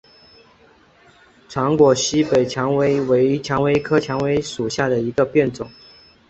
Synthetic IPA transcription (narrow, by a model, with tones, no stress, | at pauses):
ʈ͡ʂʰɑ˧˥ŋkwɔ˨˩ɕi˥pe˨˩ɪt͡ɕʰjɑ˧˥ŋwe˧˥ɪwe˧˥ɪ˧t͡ɕʰjɑ˧˥ŋwe˧˥ɪkʰɤ˥t͡ɕʰjɑ˧˥ŋwe˧˥ɪʂu˨˩ɕja˥˩d̪ə˩i˧˥ɡə˧pjɛ˥˩nt͡sʊ˨˩˦ŋ